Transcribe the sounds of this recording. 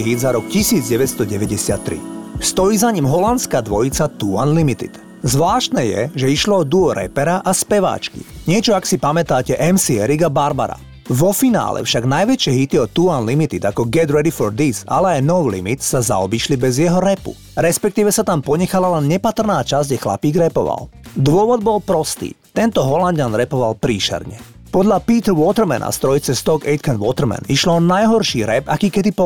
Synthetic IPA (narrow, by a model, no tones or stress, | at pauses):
ɦiːd̪zaɾɔkcisiːd͡zɟɛʋɛt̪st̪ɔɟɛʋɛɟɛsɪat̪ːɾḭst̪ɔjiːzaɲimɦɔlant̪skaːd̪ʋɔjit͡sat̪ua̰nlimit̪ḭt̪ | zʋlaːʃt̪nɛːjɛ̰ʒɛiʃlɔɔd̪uɔɾɛ̰pɛɾaʔaspɛʋa̰ːt͡ʃkḭɲɪɛt͡ʃɔaksipamɛt̪aːcɛʔɛmsiɛɾiɡabaɾba̰ɾa̰ | ʋɔfina̰ːlɛ̰fʃaɡnajʋɛt͡ʃɪɛɦit̪iɔt̪uanlimit̪id̪akɔɡɛd̪ɾɛd̪ifɔɾd̪iza̰lɛajnɔʊlḭmit̪saza̰ɔbiːʃlibɛzjɛɦɔɾɛpṵ | ɾɛspɛkt̪iːʋɛsat̪ampɔɲɛxalalɛnɲɛpat̪rnaːt͡ʃazɟʒɛxla̰piːɡɾɛpɔ̰ʋa̰l | d̪ʊɔʋɔd̪bɔlpɾɔst̪ḭːt̪ɛnt̪ɔɦɔlanɟanɾɛpɔʋalpɾiːʃɛ̰ɾɲɛ̰ | pɔd̪ʎapiːt̪ɔwɔt̪ɛɾmɛna̰st̪ɾɔjit͡sɛst̪ɔɡɛjt̪kanʋɔt̪ɾ̩mɛ̰niʃlɔɔnajɦɔɾʃiːɾɛbakiːkɛd̪ipɔ